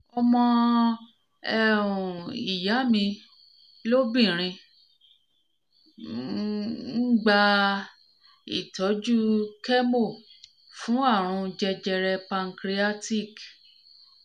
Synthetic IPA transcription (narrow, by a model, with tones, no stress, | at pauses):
ɔ˧mɔ̃˧ | ɛ˦˨ɾũ˨i˨ja˨˦mĩ˧ | lo˦bĩ˦˨ɾ̃ĩ˧ | n̩˦ɡ͡ba˧ | ḭ˦˨tɔ˨˦d͡ʒu˦kɛ˦mo˦˨ | fũ˨˦a˦˨ɾ̃ũ˧d͡ʒɛ˧d͡ʒɛ˧ɾɛ˧pã˧ŋ̩˦kɾi˧a˦ti˦˨k